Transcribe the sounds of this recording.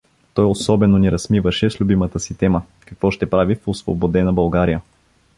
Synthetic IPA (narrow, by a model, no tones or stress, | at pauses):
t̪ɔjosɔbɛnonɛɾɐsmivəʃɛslʲubimət̪əsit̪ɛmə | kɐkvɔʃt̪ɛpɾavifosvo̰bod̪ɛnɐbɐlˠɡaɾijə